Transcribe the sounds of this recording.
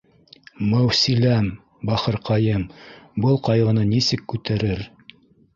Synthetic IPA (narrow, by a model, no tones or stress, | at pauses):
mæwsilæm | bɑχɤ̆ɾqɑjɤmbɤlˠqɑjʁɤ̆nɤnisɘkːʉt̪æɾɘɾ